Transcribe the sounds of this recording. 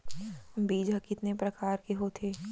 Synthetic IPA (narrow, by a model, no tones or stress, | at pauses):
biːd͡ʒɦɐkɪt̪nepɾɐkaːɾkeɦoːt̪ʰeː